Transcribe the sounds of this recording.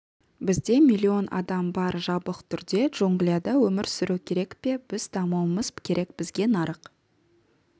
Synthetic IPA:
bɪzd̪e̞milʲˠːio̞nɑ̰d̪ɑmbɑɾʒɑbəqt̪ʰʏɾd̪e̞ʒ̥oŋɡlijad̪ɑwɵmɪɾsʏɾukʲʰe̞ɾe̞kpe̞b̥ɪzd̪ɑmɑwəməz̥kʲʰe̞ɾʔe̞k̚bɪzɡʲe̞nɑɾəq

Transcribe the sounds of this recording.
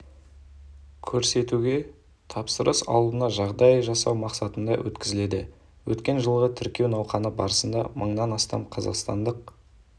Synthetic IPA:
kʲʰɵɾse̞t̪uɡʲe̞ | t̪ʰɑpsəɾəsɑ̰w̪ˠd̪ənɑʒɑʁd̪ɑjəʒɑsɑwmɑqsɑt̪ənd̪ɑwʔɵ̰t̪kʲɪzɪle̞d̪ɪ | wʔɵt̪kʲe̞nʒəlˠʁət̪ʰɪɾkʲe̞wnɑwqɑnəbɑɾəsənd̪ɑməɴnɑnɑst̪ɑ̰mqʰɑzɑ̰qst̪ɑ̰nd̪əq̚

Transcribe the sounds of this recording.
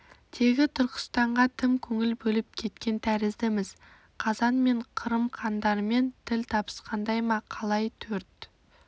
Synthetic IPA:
t̪ʰe̞ɡʲɪt̪ʰʊɾqə̥st̪ɑɴʁɑt̪ʰɪmkʲʰɵŋɪlbɵlɪp̚kʲʰe̞t̪kʲe̞nt̪ʰæɾɪzd̪ɪmɪz̥ | qʰɑzɑnme̞ɴqʰəɾəmqʰɑnd̪ɑɾəme̞nt̪ʰɪlt̪ʰɑbə̥sqɑnd̪ɑjmɑqʰɑlˠɑjt̪ʰɵɾt̪

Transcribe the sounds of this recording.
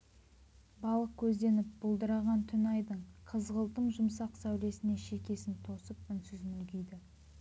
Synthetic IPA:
bɑlˠəq̚kʲʰɵzd̪e̞nɪp̚bʊlˠd̪əɾɑʁɑnt̪ʰʏnɑjd̪əɴqʰəzʁəlˠt̪əɴʒʊmsɑqsæwle̞sɪne̞ʃe̞kʲe̞sɪnt̪ʰo̞səp̚ʏnsʏzmʏlɡʲɪjd̪ɪ

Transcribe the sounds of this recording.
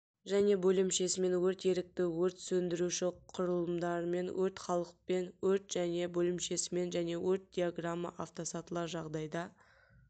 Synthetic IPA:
ʒæne̞bɵlɪmʃe̞sɪme̞nwɵɾt̪je̞ɾɪk̚t̪ɪwɵɾt̪sɵnd̪ɪɾuʃɪqʰʊɾəlˠəmd̪ɑɾəme̞nwɵɾt̪χɑlˠəq̚pe̞nwɵɾt̪ʒ̥æne̞bɵlɪmʃe̞sɪme̞nʒæne̞wɵɾt̪̚d̪ʲijaɡramːa̰ʔaft̪o̞sɑt̪əlˠɑɾʒɑʁd̪ɑjd̪ɑ

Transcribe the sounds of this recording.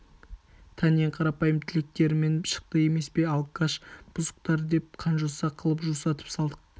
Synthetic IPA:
t̪ʰɑneɴqʰɑɾɑpɑjəmt̪ʰɪlek̚t̪e̞ɾɪme̞nʃə̥q̚t̪əe̞me̞spe̞ɑlˠkaʃb̥ʊzəqt̪ɑɾd̪e̞p̚qʰɑnʒosɑqʰəlˠəpʒusɑt̪ə̥psɑlˠd̪əq̚

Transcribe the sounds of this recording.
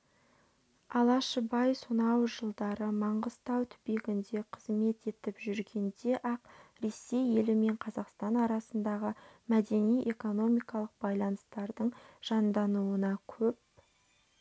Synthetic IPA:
ɑlˠɑʃəbɑjsonɑwʒəlˠd̪ɑɾəmɑɴʁəzt̪ɑwt̪ʰʏ̥beɡʲɪnd̪e̞qʰəzme̞t̪e̞t̪ɪpʒʏɾɡʲe̞nd̪e̞ʔɑqɾe̞se̞je̞lɪme̞ɴqʰɑzɑqst̪ɑnɑɾɑsənd̪ɑʁəmæd̪e̞nijʔe̞ko̞no̞mijkɑlˠəq̚bɑjlˠɑnəst̪ɑɾd̪əɴʒ̥ɑnd̪ɑnuənɑkʲʰɵp̚

